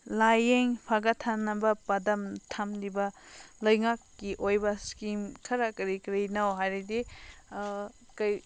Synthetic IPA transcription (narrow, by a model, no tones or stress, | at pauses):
lajeŋpʰaɡɐtʰanɐbɐpɐdɐmtʰamlibɐlɐjŋakːiʔojbɐskimkʰɐɾɐkɐɾikɾinɐwɦajɾɐdi | kɐj